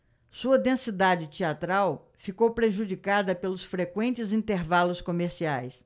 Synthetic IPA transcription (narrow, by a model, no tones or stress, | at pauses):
suɐd̪ẽsid̪ad͡ʒɪt͡ʃiat̪ɾaw | fikowpɾeʒud͡ʒikad̪ɐpelʊsfɾekwẽnt͡ʃɪzĩnt̪eɾvalʊskomeɾsiajs